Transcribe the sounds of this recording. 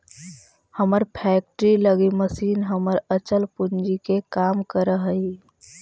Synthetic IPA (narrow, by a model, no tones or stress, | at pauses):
həməɾpʰɛːk̚ʈɾiləɡiməsiːnɦəməɾət͡ʃəlpund͡ʒikekaːmkəɾəɦəi